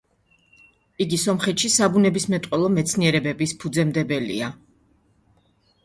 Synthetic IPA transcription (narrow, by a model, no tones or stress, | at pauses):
iɡisɔmχɛt̪ʃisabunɛbismɛt̪ʼqʼɛlˠɔmɛt̪sʰniɛɾɛbɛbispʰud̪zɛmd̪ɛbɛlḭa